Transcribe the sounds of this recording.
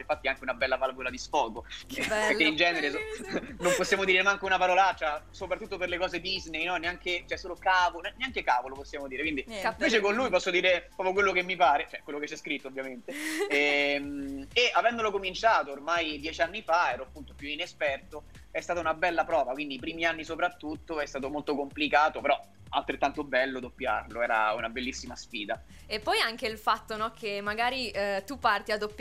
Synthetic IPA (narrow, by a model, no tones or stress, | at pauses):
einfat̪ːiɛaŋkeunabɛlːavalvolad̪isfɔːɡopeɾkːeind͡ʒɛːneɾesnomposːjaːmod̪iɾemaaŋkeunapaɾɔːlat͡ʃːasopɾat̪ːut̪ːoperlekɔːzed̪iznejnɔneaŋket͡ʃɛsːoːlokaːvonɛneaŋkekaːvoloposːjaːmod̪iːɾekwind̪iiɱveːt͡ʃekonluːjpɔsːod̪iːɾepɾɔːpjokwelːokemːipaːɾet͡ʃoɛkːwelːok̬et͡ʃːɛskɾit̪ːoovːjament̪eɛmeʔavɛnd̪olokomint͡ʃaːt̪oːrmajd̪jɛːt͡ʃanːifaɛːɾoapːunt̪opjuinespɛrt̪o | ɛst̪aːt̪aunabɛlːapɾɔːvakwind̪ip̬ɾiːmianːisopɾat̪ːut̪ːoɛst̪aːt̪omolt̪okomplikaːt̪opeɾɔ | a̰lt̪ɾet̪ːant̪obɛlːod̪opːja̰rloɛːɾa̰unabelːisːimasfiːd̪a | epːɔjaŋk̟eilfat̪ːonɔkʰemːaɡaːɾit̪upːart̪iad̪ːopː